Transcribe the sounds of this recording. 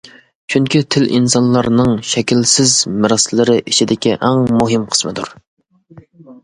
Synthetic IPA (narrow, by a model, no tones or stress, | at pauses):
t͡ʃʰyŋkʲit̪ʰɪlʔḭnsɑnlˠɑɾnɨŋʃɛkʲilsɪzmɪɾɑslɨɾɪʔit͡ʃʰid̪ɪkʲiʔæŋmuɦɨmqʰə̥smɨd̪uɾ